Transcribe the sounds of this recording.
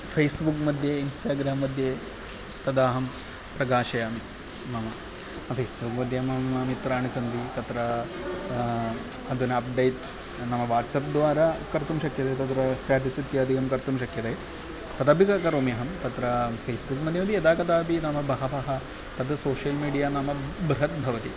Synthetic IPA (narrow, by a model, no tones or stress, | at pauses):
fʰeːsbukmɐd̪ʱjeinsʈaːɡɾaːmːɐd̪ʱje | t̪ɐd̪aːɦɐm | pɾɐɡaːʃɐjaːmi | mɐmɐ | fʰeːsbukmɐd̪ʱjɐmɐmɐmit̪ɾaːɳisɐnd̪ʱit̪ɐt̪ɾɐ | ɐd̪unɐp̚ɖejʈ | nɐmɐʋaːʈsɐp̚d̪ʋaːɾakɐɾt̪umʃɐkjɐt̪ɐjt̪ɐt̪̬ɾɐsʈaːʈisit̪jɐːd̪ʱikɐmkɐɾt̪umʃɐkjɐt̪ɐj | t̪ɐt̪ɐbʱikɐkɐɾoːmjɐɦɐmt̪ɐt̪ɾɐpʰeːsbukmɐd̪ʱjɐmɐd̪ijɐd̪aːkɐt̪aːbinɐmɐbʱɐɦɐbɐɦɐ | t̪ɐt̪ɐsoːʃjɐlmiːɖijaːnamɐbɾuɦɐt̪̚bʱɐʋɐt̪i